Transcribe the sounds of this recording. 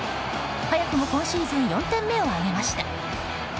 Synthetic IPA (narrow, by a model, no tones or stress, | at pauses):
hajakɯ̟mo̞kõ̞ɰ̃ɕɯːzẽɲjõ̞nt̪ẽmːe̞o̞aɡe̞maɕi̥t̪a